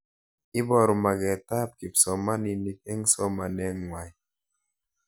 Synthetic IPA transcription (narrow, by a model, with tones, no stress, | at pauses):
ɪ˦bɔ˦˨ɾɔ˨ma˨ɡɛ˨ta˦p̚ki˨psɔ˨ma˦ni˨ni˨k̚ɛ˦ŋsɔ˦ma˨nɛ˦ŋwa˨j